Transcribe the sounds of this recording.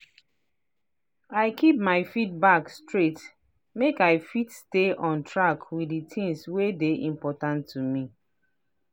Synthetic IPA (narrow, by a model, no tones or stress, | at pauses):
aɪkʰip̚maɪfit̚bakstɹet | mekaɪfitsteʔɔ̃ntʰɹakʰwiditʰĩŋswedeʔĩmpɔtãntʰːumi